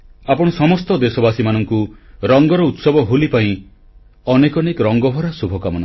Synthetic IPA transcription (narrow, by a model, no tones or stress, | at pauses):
apɔɽ̃ɔsɔmɔst̪ɔd̪esɔbasimanɔŋkuɾɔŋɡɔɾɔut̪sɔbɔɦolipaĩ | ɔnekɔnekɾɔŋɡɔbʱɔɾasubʱɔkamɔnɔ̃ŋ